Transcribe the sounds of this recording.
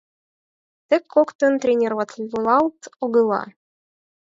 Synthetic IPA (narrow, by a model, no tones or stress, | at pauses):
t̪ɘkʰːokt̪ɤ̆nt̪ɾʲenʲervɑt̪lʲivulˠɑlˠt̪oɣɤ̆lˠɑ̰